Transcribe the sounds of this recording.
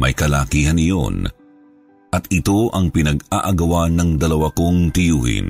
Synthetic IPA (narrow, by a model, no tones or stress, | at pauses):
mʔɐ̰jkɐlaːkiːhɐnɪjo̞̰n | ʔɐt̪ɪt̪o̞ʔɐŋpɪnɐɡaʔaɡɐwanɐŋd̪ɐlɐwako̞ŋt̪ɪjṵːhɪ̰n